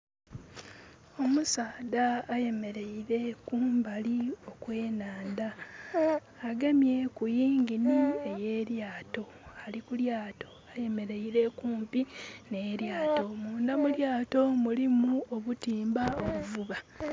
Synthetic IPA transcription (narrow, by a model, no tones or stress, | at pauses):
o̞musaːdaːje̞me̞ɾe̞iɾe̞kuːmbalio̞kwe̞ːnaːnda | ɡe̞mje̞kujiːŋɡinie̞je̞ːɾjaːto̞ | alikuljaːto̞aje̞me̞ɾe̞iɾe̞kuːmpine̞ːɾjaːto̞muːndamuljaːto̞mulimuoβutiːmbao̞βuvuβa